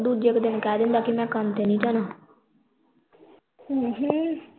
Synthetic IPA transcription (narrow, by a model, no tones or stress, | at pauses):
d̪uːd͡ʒd͡ʒɪkd̪ɪnkɛːd̪ɪnd̪aːkɪmɛ̃ːkəmt̪eːnĩːt͡ʃaːnaː | ɦ